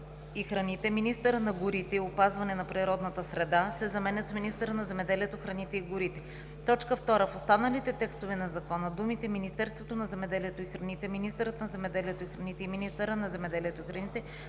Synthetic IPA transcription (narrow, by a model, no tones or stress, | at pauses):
ixɾɐnit̪ɛminist̪əɾənɐɡʊɾit̪ɛiopazvɐnɛnɐpɾiɾɔd̪nɐt̪əsɾɛd̪asɛzɐmɛnʲɐt̪sminist̪əɾənɐzɛmɛd̪ɛliɛt̪oxɾɐnit̪ɛiɡʊɾit̪ɛ | t̪ɔt͡ʃkəft̪ɔɾəfost̪anəlit̪ɛt̪ɛkst̪ovɛnɐzɐkɔnəd̪umit̪ɛminist̪ɛɾst̪vot̪onɐzɛmɛd̪ɛliɛt̪oixɾɐnit̪ɛminist̪əɾət̪nɐzɛmɛd̪ɛliɛt̪oixɾɐnit̪ɛiminist̪əɾənɐzɛmɛd̪ɛliɛt̪oixɾɐnit̪ɛ